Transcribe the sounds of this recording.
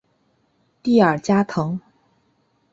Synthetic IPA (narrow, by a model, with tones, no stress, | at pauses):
t̪i˥˩ə˞˨˩t͡ɕja˥t̪ʰɤ˧˥ŋ